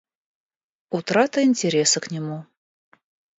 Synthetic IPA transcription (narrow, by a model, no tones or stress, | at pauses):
ut̪ɾɑt̪əinʲtʲeɾʲesɨknʲɪmu